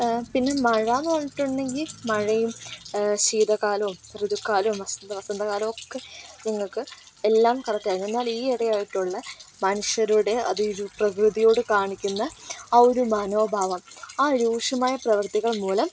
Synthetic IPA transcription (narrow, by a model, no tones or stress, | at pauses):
pinːe̞mɐɻɐnoːɳiʈːuɳɖe̞ŋɡilmɐɻɐjumɕiːd̪ɐkaːlɐʋumrɨðukːaːlɐʋumʋɐsɐnd̪ɐʋɐsɐnd̪ɐkaːlɐmo̞kːeniŋːɐɭkɨ | elːaːmkɐrɐt̪ːaːjinenːaːliːiɽɐjaːjiʈːuɭːɐmɐnuʂjɐɾuɽe̞ɐ̰ðɨɾuprɐkrɨðijo̞ːɽɨkaːɳikʲːunːɐːoɾumaːno̞ːbʱaːʋɐmaːɾuːʂɐmaːjɐprɐʋɐrt̪iɣɐɭmuːlɐm